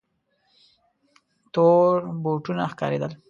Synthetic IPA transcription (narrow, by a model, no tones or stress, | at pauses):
t̪oɾboʈunaxkɑ̰ɾḛd̪əl